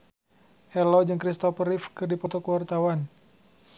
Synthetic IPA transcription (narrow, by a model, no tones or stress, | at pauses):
ʔɛlɔd͡ʒɨŋkɾist̪ɔfəɾifkɨrdipɔt̪ɔkəwart̪awan